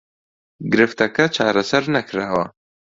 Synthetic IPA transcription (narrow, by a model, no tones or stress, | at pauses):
ɡɨɾɨft̪ɐkɐt͡ʃʰaːɾɐsɐɾnɐkʰɨɾaːwɐ